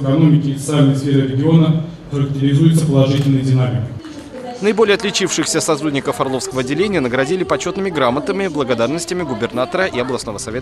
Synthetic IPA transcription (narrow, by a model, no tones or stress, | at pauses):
kɐnomʲɪkʲɪfət̪salʲnəjsfʲeɾɨɾʲɪɡʲɪo̞nə | xəɾək̚tʲɪɾʲɪzujɪt̪səpəlˠɐʐɨtʲɪlʲnəjədʲɪnamʲɪkə | nəɪbolʲjəɐt̪lʲɪt͡ɕifʂɨxsʲəsɐt̪ɾudʲnʲɪkəfɐrlˠo̞fskəvəɐdʲːɪlʲenʲɪjənəɡɾɐdʲilʲɪpɐt͡ɕot̪nɨmʲɪɡɾamət̪əmʲɪblˠəɡɐd̪arnəsʲtʲɪmʲɪɡʊbʲɪrnat̪əɾəʔiɐblˠɐsno̞vəsɐvʲe̞t̪ə